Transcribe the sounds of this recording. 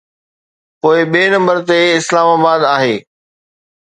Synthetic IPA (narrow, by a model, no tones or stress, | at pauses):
poːɪɓieːnɐ̃mbəɾt̪eɪslaːmaːbaːd̪aːɦeː